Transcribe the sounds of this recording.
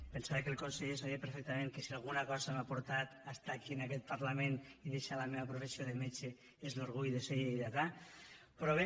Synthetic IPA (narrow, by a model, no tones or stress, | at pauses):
pensaβekelˠkonseʎes̬aβiepeɾfek̚t̪əmẽŋkəsialˠɣ̞unakɔzamapuɾt̪at̪ast̪aːkiənakɛt̪̚paɾlameniðeʃalameβapɾofesioðemet͡ʃe | ezloɾɣ̞ujðeseɣiiðat̪a | pɾɔβe